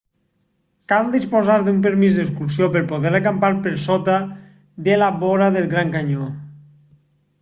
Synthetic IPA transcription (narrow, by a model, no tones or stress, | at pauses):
kald̪ispozaɾðumpeɾmizðeskuɾs̬ijopeɾpoðeɾakampaɾpeɾsot̪a | d̪elaβoɾaðelˠɣɾaŋkaɲo